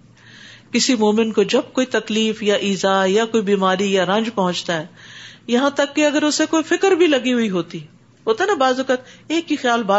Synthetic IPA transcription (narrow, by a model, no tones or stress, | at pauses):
kɪsimoːmɪnkod͡ʒɐbkoːit̪ɐkliːfjaʔiːzajakoːibiːmaːɾijaɾɐ̃ɲd͡ʒpɐɦʊ̃t͡ʃt̪aɦɛːjɐɦãt̪ɐkːeɐɡəɾʊsekoːifɪkəɾbʱilɐɡiɦʊiɦoːt̪i | ɦoːt̪enabaːzəkət̪eːkːixjaːlbaː